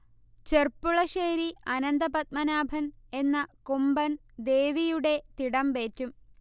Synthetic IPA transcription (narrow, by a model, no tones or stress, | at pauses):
t͡ɕerpːuɭɐʂeːɾiɐnɐnd̪ɐpɐt̪̚mɐnaːbʱɐne̞nːɐkumbɐn | d̪e̞ːʋijuɽe̞t̪iɽɐmbe̞ːtːum